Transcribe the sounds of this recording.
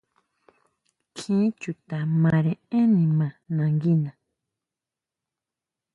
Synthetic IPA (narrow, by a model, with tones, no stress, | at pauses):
kʰĩ˦t͡ʃu˨t̪a˨mã˨ɾẽ˨ẽ˦nĩ˨mã˨nã˨ŋɡi˦nã˨